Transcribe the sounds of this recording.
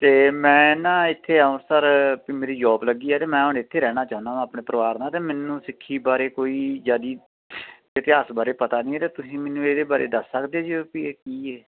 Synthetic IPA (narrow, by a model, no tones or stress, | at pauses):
t̪eːmɛ̃ːnãːɪt̪ʰːeːaːʊ̃səɾpiːmeːɾiːd͡ʒɔːbləɡːiːɛːt̪eːmɛ̃ːɦʊɳɪt̪ʰːeːɾɛːɽ̃ãːt͡ʃaːʊ̃naːãːpɳẽːpəɾəʋaːɾnaːt̪eːmɛːnːũːsɪkʰːiːbaːɾeːkoːiːd͡ʒaːd̪iː | ʋət̪ɪɦaːsbaːɾeːpət̪aːnĩːɛːt̪aːt̪ʊsĩːmɛnːũːeːd̪eːbaːɾʔḛːd̪əsːəkd̪eːd͡ʒpiːkiːɛː